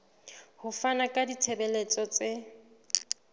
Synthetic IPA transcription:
hʊfanakʼadit͡sʰebɛlet͡sʼɔt͡sʼɪ

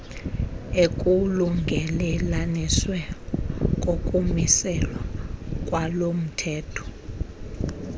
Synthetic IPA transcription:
ekʼuluŋɡʱɛlɛlaniswɛ | k̬ʼokʼumisɛlwakʼwalom̩tʰɛːtʰɔ̥

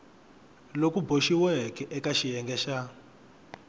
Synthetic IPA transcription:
lokuboʃiwɛkɛʔɛkaʃijɛŋɡɛʃa

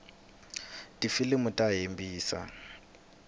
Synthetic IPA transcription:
tʼifilemʊtʼaɦembiːsa̰

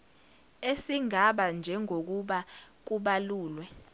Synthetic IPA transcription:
esiŋaɓand͡ʒʱɛŋʱok̬uɓak̬uɓaluːlwɛ

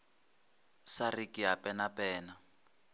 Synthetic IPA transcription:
sarikʼiɦapɛnapɛːna

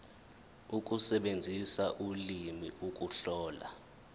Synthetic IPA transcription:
uk̬ʼusɛɓend͡zʱisaʔulimḭʔuk̬ʼuɬɔːla̰

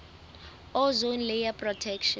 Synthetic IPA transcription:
ɔzonlɛjapʼrɔtʰɛkʃɔ

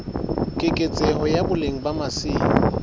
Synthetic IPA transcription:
kʼɪkʼet͡sʼɛhɔjabʊleŋ̩bamasɪːɔ

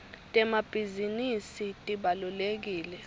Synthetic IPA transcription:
tʼɛmab̥ʱizinisitʼiɓalulek̬iːlɛ

